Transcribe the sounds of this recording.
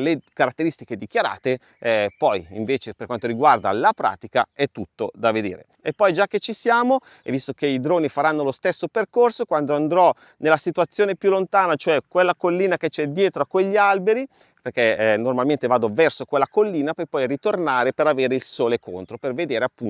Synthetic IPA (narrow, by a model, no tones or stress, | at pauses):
lekaɾat̪ːeɾist̪iked̪ik̟jaɾa̰ːt̪e | pɔjḭɱveːt͡ʃeperkwant̪oɾiɡward̪a̰lapɾa̰ːt̪ikaɛt̪ːut̪ːod̪aved̪ḛːɾḛ | epːɔjd͡ʒakːet͡ʃːisjaːmo | ḛvist̪okeid̪ɾoːnifaɾanːolost̪esːoperkorsokwand̪oand̪ɾɔ | nelːasit̪uat̪sːjoːnepjulːont̪aːnat͡ʃoɛkwelːakolːiːnaket͡ʃɛd̪ːjɛːt̪ɾoakːweʎːialbeɾi | perkenormalment̪evaːd̪ovɛrsokwelːakolːiːnapɔjpɔjrit̪ornaːɾepeɾaveːɾeilsoːlekont̪ɾoperved̪eːɾeapːun